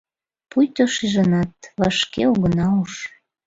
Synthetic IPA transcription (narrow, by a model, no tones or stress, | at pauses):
pujt̪oʃiʒənɑt̪̚βɑʃkeoɣənɑuʃ